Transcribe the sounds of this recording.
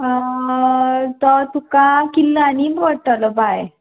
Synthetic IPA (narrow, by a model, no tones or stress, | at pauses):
t̪ət̪ukãkilːaniʋəɽʈ̪aləbaj